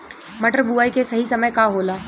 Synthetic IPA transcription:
mɐʈəɾbuaːikesɐɦisɐməjkaɦoːlaː

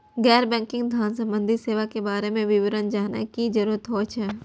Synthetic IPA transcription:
ɡɛːɾbɛ̃ːŋkɪ̃ŋɡd̪ʱjaːnsə̃mbə̃nd̪ʱiseːʋakebaːɾemẽʋɪʋɪɾənd͡ʒaːnḛkid͡ʒɐɾuːɾət̪ɦoːt͡ʃʰɛː

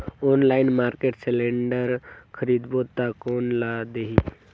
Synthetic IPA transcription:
oːnlaɪnmaːɾkeːʈselẽɳɖəɾkʰəɾid̪boːt̪ːakoːnlad̪eɦi

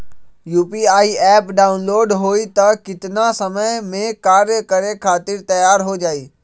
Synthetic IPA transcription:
juːpiaːiɛːpɖaːʊnloːɖɦoːit̪ɐkɪt̪ɪnasɐməjmẽkaːɾjəkɐɾekʰaːt̪ɪɾt̪ɐjaːɾɦod͡ʒaːiː

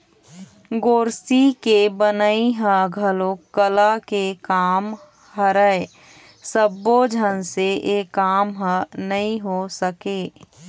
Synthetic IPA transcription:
ɡoːɾsikebənəiɦə̃ɡʱəloəlakekaːm | həɾəe | səbːod͡ʒʱənseʔekaːmɦə̃nəĩɦosəkeː

